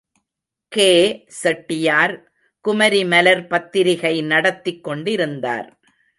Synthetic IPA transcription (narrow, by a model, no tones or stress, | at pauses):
keːsɛʈːɪjaːɾ | kʊmɐɾimɐlɐɾpɐt̪ːɪɾɪɣɐɪnɐɽɐt̪ːɪkːɔɳɖɪɾɯnd̪a̰ːɾ